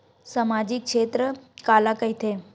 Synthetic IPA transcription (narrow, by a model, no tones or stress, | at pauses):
samaːd͡ʑikʃeːt̪ɾəkaːlakəjt̪ʰe